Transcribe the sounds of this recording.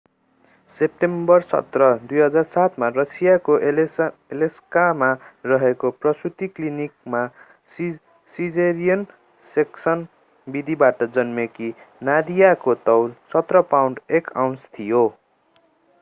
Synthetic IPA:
sep̚ʈembʌrsʌ̰t̪rʌd̪ujɦʌd͡zarsat̪ʰmarʌsijako | eleskamarʌɦekoprʌsut̪iklinik̚ma | s | sid͡zeɾijʌn | seksʌn | bid̪ʱibaʈʌd͡zʌnmekinad̪ijakot̪ʌwlsʌt̪rʌpawɳɖekaw̃nst̪ʰijo

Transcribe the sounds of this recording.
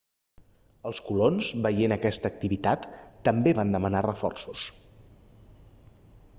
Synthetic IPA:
əlˠskulonzβəjenəkɛst̪əːk̚t̪iβit̪at̪ːəmbeβand̪əmənarəfɔ̰rsus

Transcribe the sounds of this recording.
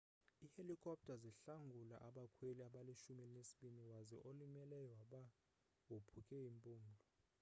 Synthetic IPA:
ihelikʰʼɔp̚tʰʼaziɬaŋɡʱula̰ʔaɓakʰweliaɓaliʃumilnesi̥ɓiniwazɛʔolimɛlɛjwaɓa | wopʰukʰʼɛimpʼuːmdʱɔ

